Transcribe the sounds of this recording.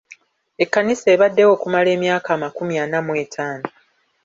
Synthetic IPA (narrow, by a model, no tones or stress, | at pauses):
e̞kːaniseːβadːe̞wo̞ːkumale̞ːmjaːkaːmakumjanamwe̞ːtʰaːno